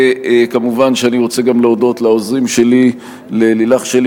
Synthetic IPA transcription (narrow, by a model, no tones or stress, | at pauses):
ekamuvanʃeaniʁo̞t͡seɡamleodo̞tlaozʁimʃe̞li | lelilaχʃel